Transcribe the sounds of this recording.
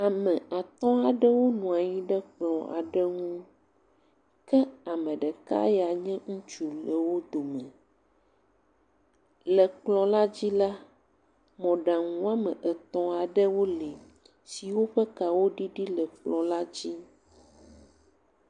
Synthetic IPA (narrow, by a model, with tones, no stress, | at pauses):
a˨mɛ̃˨a˨t̪ɔ̃˦a˨ɖɛ˦wo˦nũ˨a˨ɲĩ˦ɖɛ˦k͡plɔ̃˨a̰˨ɖɛ˦ŋũ˦ | kɛ˦a˨mɛ̃˨ɖɛ˨ka̰˦ja˨ɲɛ̃˦ŋũ˦t͡ʃu˨lə˨wo˦d̪o˨mɛ̃˨ | lɛ˨k͡plɔ̃˨la˦d͡ʑi˦la˦ | mɔ̃˨ɖa˨ŋũ˦a˦mɛ̃˨ʔɛ˨t̪ɔ̃˦a˨ɖɛ˦wo˦li˨ | si˨wo˦ɸɛ˦ka˨wo˦ɖi˦ɖi˦lɛ˨k͡plɔ̃˨la˦d͡ʑi˦